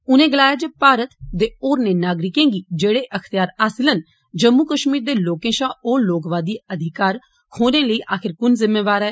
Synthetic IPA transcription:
ʊnẽːɡəlaːjaːd͡ʒeːpaːɾət̪d̪eːoːɾneːnaːɡɾɪkẽːŋɡiːd͡ʒeːɽeːʔəkʰt̪ɪjaːɾaːsɪlən | d͡ʒəmːukəʃmiːɾd̪eːloːkẽːʃãːoːloːkʋaːd̪iːəd̪ʱɪkaːɾ | kʰoːnẽːləiːʔaːkʰɪɾkʊnzɪmːeːʋaːɾɛː

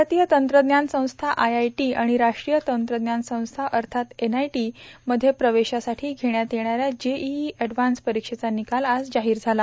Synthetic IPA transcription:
at̪ijət̪ənt̪ɾəd̪njansə̃w̃st̪ʰaʔajajʈiːaɽ̃iɾaʂʈɾijət̪ənt̪ɾəd̪njansə̃w̃st̪ʰaʔəɾt̪ʰat̪enajʈiməd̪ʱːjepɾəʋeɕasaʈʰiːɡʱeɳjat̪eɳ̃aɾjad͡ʑeiɛɖʋanspəɾikʂet͡sanikalad͡zd͡ʑaɦiːɾd͡zʱala

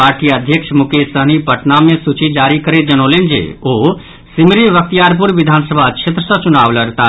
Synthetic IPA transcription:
aːɾʈiəd̪ʱjəkʃmʊkesəɦnipəʈnamẽsut͡ʃid͡ʒaːɾikəɾed͡ʒɐnoːlend͡ʒḛoː | sɪmɾiʋək̚t̪ijaːɾp̬uɾʋɪd̪ʱaːnsəbʱat͡ʃʰet̪ɾəsɐt͡ʃʊnaːʋləɾt̪a

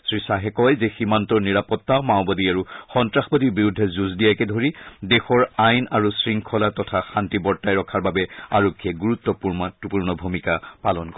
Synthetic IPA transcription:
sɹisaɦɛkɔjzeximantɔniɹapɔtːaʊmaʊbadiaɹuxɔntɹaxbɔdibiɹudʱːɛzuzdijakɛdʱoɹidexɔɹajnaɹusɹiŋkʰɔlatɔtʰaxantibɔɹtajɹɔkʰaɹbabɛaɹɔkʰːiɛɡuɹut̪ːɔpuɹmatupuɹnɔbʱumikapalɔnk

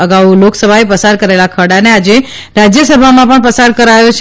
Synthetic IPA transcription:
əɡauloksəbʱaepəsaɾkəɾelakʰəɽanead͡ʒe | ɾad͡ʒjəsəbʱamãpəɳpəsaɾkəɾajot͡ʃʰ

